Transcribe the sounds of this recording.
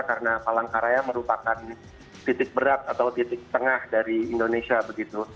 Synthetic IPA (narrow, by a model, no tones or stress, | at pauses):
kaɾənapalaŋkaɾajaməɾupakan | t̪it̪ɪk̚bəɾat̪at̪awt̪it̪ɪk̚t̪əŋahdaɾiːndonesiabəɡit̪u